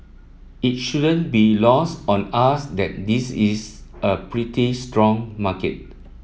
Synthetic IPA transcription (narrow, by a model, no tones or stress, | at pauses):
it̚ʃudə̃nbilɔstɔ̃nasdɛt̚disisəpɹitistɹɔ̃ŋmakə̰t̚